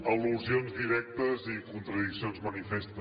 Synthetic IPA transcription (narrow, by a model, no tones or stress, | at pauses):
əluzionzðiɾɛk̚t̪əzikunt̪ɾəðiksionzmənifest̪ə